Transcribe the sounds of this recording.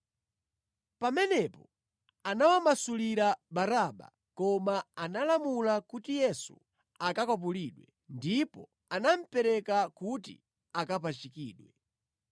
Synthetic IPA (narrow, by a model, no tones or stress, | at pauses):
pamɛnɛpɔ | anawamasuliɾabaɾaɓa̰ | kɔmaanalamulakutijɛsṵ | akakɔp̬uliɗwɛ | ndipɔ | anam̩pɛɾɛkakutḭ | akap̬at͡ʃikḭːɗwɛ